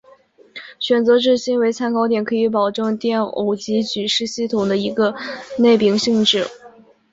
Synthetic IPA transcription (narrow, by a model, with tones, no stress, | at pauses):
ɕɥɛ˨˩nt͡sɤ˧˥ʈ͡ʂɻ̩˥˩ɕi˥nwe˧˥ɪt͡sʰa˥nkɑ˥ʊt̪̬jɛ˨˩nkʰɤ˧˥i˧˥p̬ɑ˨˩ʊʈ͡ʂɤ˥˧ŋt̪jɛ˥˩no̰˧˥˩ʊt͡ɕi˧˥t͡ɕy˨˩ʂɻ̩˥˧ɕi˥˩t̪ʰʊ˨˩ŋd̪ə˦i˧˥ɡə˧ne˥˩ɪpi˧˥ŋɕi˥˧ŋʈ͡ʂɻ̩˥˩